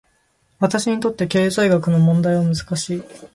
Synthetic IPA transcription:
βat̪aɕiɲ̟it̪o̞t̪ːe̞ke̞ːzaiɡakɯ̟no̞mõ̞nd̪aiβamɯzɨ̥kaɕiː

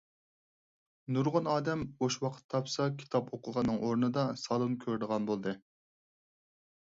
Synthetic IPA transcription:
nuɾʁʊnɑːd̪ɛmoʃwɑqʰə̥t̪ʰːɑpsɑkʲʰi̥t̪ʰɑpoqʰəʁɑnːɨŋʔoɾnɨd̪ɑsɑlˠunkʲʰøɾd̪əʁɑnbolˠd̪ɨ

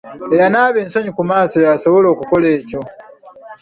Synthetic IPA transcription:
ejanaːβe̞ːnso̞ɲikumaːso̞jaso̞βo̞lo̞ːkuko̞le̞ːco̞

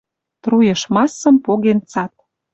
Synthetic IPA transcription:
t̪rujə̆ʃmɑsə̆mpoɣent͡sɑt̪̚

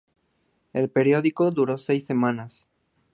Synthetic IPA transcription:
e̞lpe̞ɾjo̞ðiko̞ðuɾo̞sejsːe̞mãnas

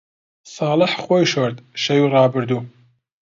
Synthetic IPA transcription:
sɑːlɨħxojʃoɾd̪ʃɐjurɑːbɨɾd̪uː

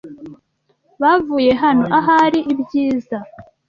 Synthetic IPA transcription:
βavuːje̞ɦanoʔaɦaɾiʔibjiːza

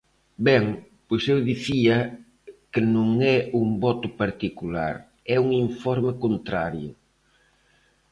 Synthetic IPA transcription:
bɛŋpojsewðiθiɐ | kɪnõŋɛuŋbɔt̪ʊpaɾt̪ikula̰ɾ | ɛuŋiɱfɔɾmɪkont̪ɾaɾjʊ

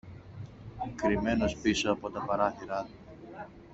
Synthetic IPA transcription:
kɾime̞no̞spiso̞ɐpo̞t̪ɐpɐɾɐθiɾɐt̪u

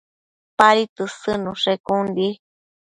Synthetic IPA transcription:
paɾit̪ɨsɨnũʂekũndi

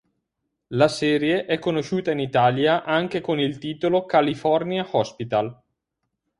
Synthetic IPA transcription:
lasɛːɾjeʔɛkːonoʃuːt̪ainit̪aːljaʔaŋk̟ekonilt̪iːt̪olokalifɔrniahɔspit̪al

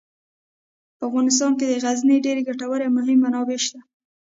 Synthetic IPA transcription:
pəafɣɑnɪs̬t̪ɑnked̪əɣazniɖeɾeɡaʈawəɾemʊɦɪmːanɑbeʃt̪a

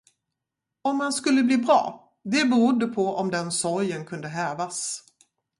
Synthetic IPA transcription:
ɔmːanskɵlːəbliːbɾɑ̰ː | d̪ɛbɛɾʊd̪ːəpʰɔɔmd̪ɛnsɔɾjənkʰɵnd̪əɦɛːvas

